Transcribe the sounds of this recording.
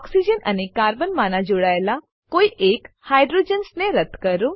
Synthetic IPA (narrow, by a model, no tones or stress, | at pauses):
ɔksid͡ʒənə̰nekaːɾbənmanad͡ʒoɽaela | koiʔek | hajɖɾod͡ʒənsneɾət̪kəɾu